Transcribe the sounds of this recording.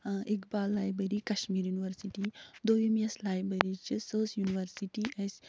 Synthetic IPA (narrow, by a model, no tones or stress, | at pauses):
ekbaːlːaːjbɾeɾikɐʃmiːɾjuniʋəɾsiʈid̪oːimeslaːjbɾeɾit͡ʃisəːsjuniʋɐɾsiʈiʔɐsʲ